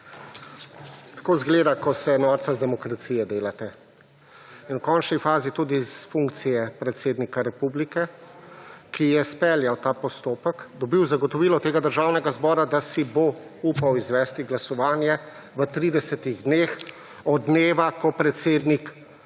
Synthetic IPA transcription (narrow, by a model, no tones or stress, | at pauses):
t̪ḁkoːzɡleːd̪akɔsɛnɔɾt̪sazd̪ɛmɔkɾat̪sijɛd̪eːlat̪ɛ | inwkɔːnt͡ʃnifaːzit̪ud̪isfuŋk̚t̪sijɛpɾɛt̪seːd̪nikaɾɛpublikɛ | kijɛspɛːljawt̪aːpɔst̪oːpəkd̪ɔbiwzaɡɔt̪ɔʋiːlɔt̪eːɡad̪əɾʒaːwnɛɡazbɔːɾad̪asibo | upawizʋɛːst̪iɡlasɔʋaːnjɛ | ʋət̪ɾiːd̪ɛsɛt̪iɣd̪neːx | ɔd̪neːʋakɔpɾɛt̪seːd̪nik